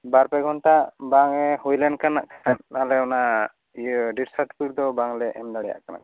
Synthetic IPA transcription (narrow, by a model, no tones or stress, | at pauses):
baɾpɛɡʱɔnʈabaŋɛhujlɛnkanaʔkanalɛɔna | ɖiʈsaʈpiɾd̪ɔbaŋlɛʔɛmd̪aɽɛja̰ʔkana̰ʔ